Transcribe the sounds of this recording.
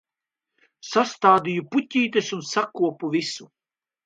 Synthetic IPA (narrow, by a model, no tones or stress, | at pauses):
sast̪aːd̪ijuputʲiːt̪esunsakuɔpuvisu